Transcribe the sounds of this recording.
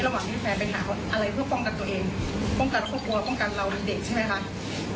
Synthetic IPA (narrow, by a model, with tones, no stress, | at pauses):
la˧waː˨˩nt̪ʰiː˥˩p̪ʰɛː˧npe˧nʔaː˨˩˦wʔa˧ɾa˧jpʰɯ˥˩ɐfɔ˥˩ŋka˧n̚t̪u˧ɐʔeː˧ŋ | pɔ˥˩ŋka˧nkʰɔː˥˩p̚ku˧ɐpɔ˥˩ŋka˧nla˧wɾa˧nde˨˩k̚t͡ɕʰa˥˩jma˦˥jkʰa˦˥ʔ